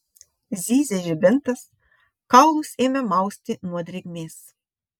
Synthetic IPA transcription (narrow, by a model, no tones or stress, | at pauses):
zʲiːzʲɛʒʲɪbʲɪnt̪ɐs | kɐʊlˠʊseːmʲɛmɑˑʊsʲt̪ʲɪnuɔd̪ʲɾʲɪɡʲmʲeːs